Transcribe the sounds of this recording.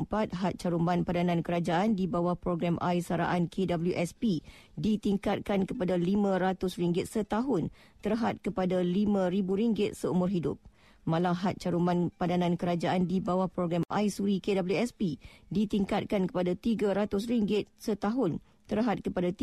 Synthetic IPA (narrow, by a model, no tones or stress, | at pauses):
mpat̪̚ɦat̪̚t͡ʃaɾumbanpadanãnkəɾad͡ʒaʔandibawahpɾoɡɾamʔa̰jsaɾa̰ʔankʰedabəljuʔɛspi | dit̪iŋkat̪̚kankəpadalimãɾat̪ʊsriŋɡɪt̪̚sət̪aɦʊn | t̪əɾɦat̪̚kəpadalimãɾibuɾiŋɡɪt̪̚səumʊrɦidʊp̚ | mãlaɦat̪̚t͡ʃaɾumbanpadanãnkəɾad͡ʒaʔandibawahpɾoɡɾama̰jsuɾikedabəljuɛspidit̪iŋkat̪̚kankə̥padat̪iɡaɾat̪ʊsriŋɡɪt̪̚sət̪aɦʊn | t̪əɾɦat̪̚kəpadat̪